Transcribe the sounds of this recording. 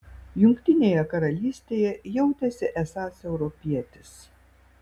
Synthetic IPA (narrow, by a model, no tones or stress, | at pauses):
jʊŋkt̪ʲɪnʲeːjɛkɐɾɐlʲiːsʲt̪ʲeːjɛjɛʊt̪ʲɛsʲɪʔɛsɑːsɛʊɾɔpʲiɛt̪ʲɪs